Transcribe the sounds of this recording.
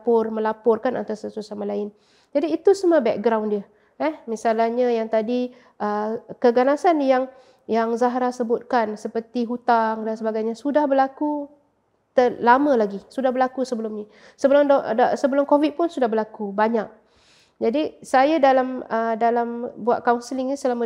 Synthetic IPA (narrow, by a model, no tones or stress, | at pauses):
pʊrmə̃lapʊrkanʔa̰nt̪asasusamalaɪn | d͡ʒadiːt̪usəməbɛk̚ɡɾawndiə | ɛhmisalahɲajaŋt̪adi | ʔəkəɡanasanjaŋ | jaŋzaɦɾasəbʊt̪̚kansəpərt̪iɦut̪aŋdansəbaɡajɲasudahbərlaku | t̪əlamə̃laɡisudahbəlakusəbəlʊmɲi | səbəlʊmddasəbəlʊmkovid̪̚pʊnsudahɦbərlakubaɲak̚ | d͡ʒadisajadalamədalambuat̪̚kawnsəlɪŋɲasəlamə